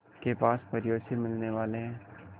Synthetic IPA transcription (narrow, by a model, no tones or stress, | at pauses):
kepaːspɐɾjoːsimɪlneʋaːleɦɛ̃ː